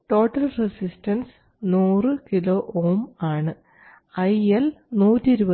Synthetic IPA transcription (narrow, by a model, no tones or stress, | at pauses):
ʈo̞ːʈːɐlresistɐns | nuːrɨkilo̞ːʔoːmaːɳɨ | ɐjelnuːtːiɾubɐ